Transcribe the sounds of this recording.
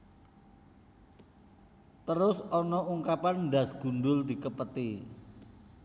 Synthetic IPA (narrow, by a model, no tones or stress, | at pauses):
t̪əɾʊsɔnɔuŋkapanɳda̤sɡ̥ṳnɖʊld̪i̤kəpət̪i